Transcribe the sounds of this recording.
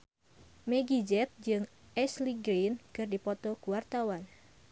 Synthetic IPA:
meɡid͡ʒɛp̚d͡ʒɨŋʔɛsliɡɾinkɨrdipɔt̪ɔkuwart̪awan

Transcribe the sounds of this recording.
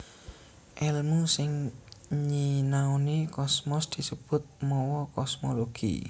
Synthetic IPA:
ʔɛlmusɪŋɲinaonikɔsmɔsd̪̥i̤səb̥ʊ̤t̪̚mɔwɔkɔsmoloɡ̥ḭ

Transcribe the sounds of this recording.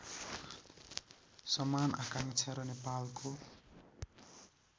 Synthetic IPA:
sʌmanʔakaŋt͡sʰʌɾʌnepalkʰo

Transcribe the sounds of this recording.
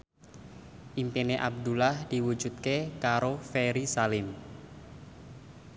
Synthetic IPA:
ʔimpeneʔab̚d̪ulahd̥i̤wu̥d͡ʒ̥ut̪̚kekaɾofeɾisalɪm

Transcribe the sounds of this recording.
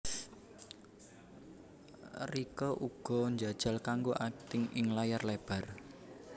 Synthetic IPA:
rikɔʔuɡ̥ɔ̤ɲd͡ʒa̤d̥ʒ̥a̤lkaŋɡoʔat̪ɪŋɪŋlajarleb̥a̤r

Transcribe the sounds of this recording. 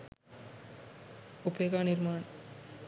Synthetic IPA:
upeɡaniɾmaːn

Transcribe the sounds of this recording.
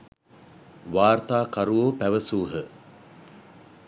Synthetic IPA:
ʋaːrt̪aːkaɾuʋoːpæʋəsuːɦə

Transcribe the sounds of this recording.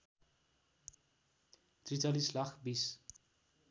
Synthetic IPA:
t̪rit͡salislakʰbis

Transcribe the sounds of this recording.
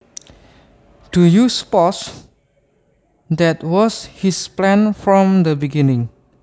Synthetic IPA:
d̥ujuspɔs | dɛtwɔshisplɛ̃nfɹɔ̃md̪əbiɡinɪ̃ŋ

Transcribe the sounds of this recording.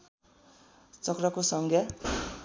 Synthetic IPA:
t͡sʌkrʌkosʌŋɡʱja

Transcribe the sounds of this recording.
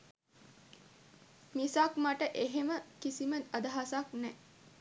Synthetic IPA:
misakmaʈəʔeɦeməkisimət̪ad̪ɐɦasak̚nɛ

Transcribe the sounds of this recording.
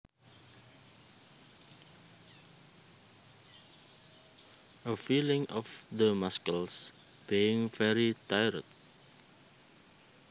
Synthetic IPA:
ʔəfilɪ̃ŋʔɔfdəmaskəls | b̥iɪ̃ŋfɛɾit̪ajɹə̰t̪̚

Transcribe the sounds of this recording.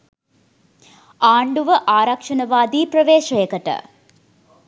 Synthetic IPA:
aːɳɖuʋɐʔaːɾɐkʂɐnɐʋaːd̪iːprɐʋeːʃɐjekːɐʈːɐ̰

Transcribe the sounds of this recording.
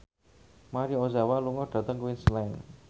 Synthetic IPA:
maɾiozawaluŋɔɖ̥a̤t̪əŋkwinslɛn

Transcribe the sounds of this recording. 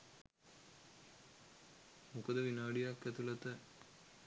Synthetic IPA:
mukɐd̪əʋinaːɖijakːɛt̪ulɐt̪ə

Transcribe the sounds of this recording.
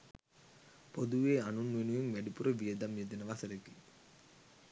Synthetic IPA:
pod̪uʋeːɐnunʋenujeŋʋeɖipuɾɐʋijɐd̪ɐmjed̪ɐnɐʋasɐɾɐkːi

